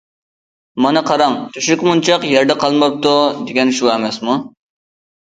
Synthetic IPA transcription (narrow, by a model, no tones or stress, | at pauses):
mɑnɨqʰɑɾɑŋt̪ʰyʃykʲmunt͡ʃʰɑqjɛɾd̪ɛqʰɑlˠmɑp̚t̪ud̪eɡʲɛnʃuɛmɛsmu